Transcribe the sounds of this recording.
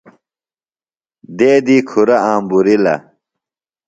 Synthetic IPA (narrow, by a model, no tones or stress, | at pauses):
d̪eːd̪iːkʰuɾɐaːmbuɾilɐ̰